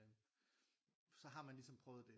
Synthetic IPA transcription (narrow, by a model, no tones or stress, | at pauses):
sɒ̽ɦɑ̈mænlisɒ̽mpʰʁœʊð̩ˠd̥e̝